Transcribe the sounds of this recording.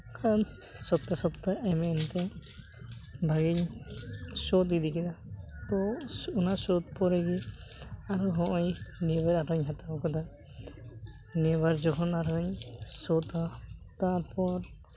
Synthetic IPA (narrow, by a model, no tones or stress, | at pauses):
kʰan | sɔp̚t̪asɔpt̪aɛmɛnt̪ɛ | bʱaɡiɲ | sɔt̪̬id̪ikid̪at̪ɔunasɔt̪̚pɔɾɛɡi | aɾuɦɔ̃ʔɔjnibɛɾaɾɔɲɦat̪abɔkɔd̪a | nɛbaɾd͡ʒɔɦɔnaɾɔɲsɔt̪at̪aɾpɔɾ